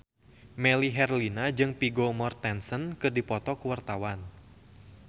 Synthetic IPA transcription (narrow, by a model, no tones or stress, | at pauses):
mɛliɦɛrlinad͡ʒɨŋpiɡomɔrt̪ɛnsənkɨrdipɔt̪ɔkuwart̪awan